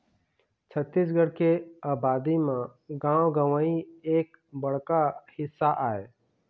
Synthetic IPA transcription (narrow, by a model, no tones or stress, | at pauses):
t͡ʃʰət̪ːɪs̬ɡəɽkeaːbaːd̪imãɡãːwɡəʋaieːk | bəɽ̤kahɪsːaʔaːeː